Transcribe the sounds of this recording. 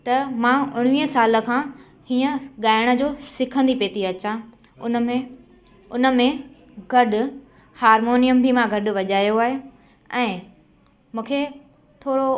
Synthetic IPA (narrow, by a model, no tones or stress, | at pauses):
t̪ɐmãʊɽ̃ʋiːɦə̃saːlə̆kʰãː | hiːə̃ɠaːɪɽ̃ə̆d͡ʑoːsɪkʰə̃nd̪ipeːt̪iɐt͡ɕã | ʊnmẽ | ʊnə̆mẽ | ɡʱɐɗʊ̆ | haːɾmoːnijəmbʱimãɡʱɐɗʊ̆ʋɐʄaːjoaːɦe | ɛ̃ː | mũːkʰe | t̪ʰoːɾo